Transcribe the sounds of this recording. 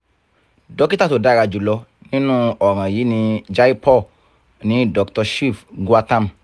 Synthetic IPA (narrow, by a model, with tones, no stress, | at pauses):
dɔ˨˦ki˦ta˦to˨da˨˦˨ɾa˧d͡ʒu˨lɔ˧nĩ˦nũ˦ɔ˨ɾ̃ã˨jiː˨˦nĩ˧d͡ʒa˦i˦pɔ˦˨ | nĩ˨˦dɔ˧ktɔ˧ʃi˦˨fɡu˦a˧tã˦˨m˨